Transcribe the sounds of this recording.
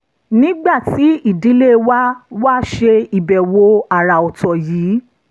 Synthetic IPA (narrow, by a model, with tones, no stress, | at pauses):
nĩ˦ɡ͡ba˦˨ti˨˦i˦˨di˨˦le˦wa˦wa˦ʃe˧i˨bɛ˨wo˧a˨ɾa˨ɔ˨tɔ˨jiː˨˦